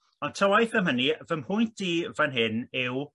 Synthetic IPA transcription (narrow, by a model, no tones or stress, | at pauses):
ɔntʰəwajθəmɦənivəmhʊjntdiːvanɦɪnɪw